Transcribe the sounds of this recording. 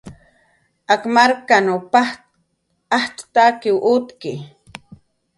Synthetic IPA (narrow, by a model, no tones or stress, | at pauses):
akmaɾkanopa | aht̪t̪akiwʔut̪ki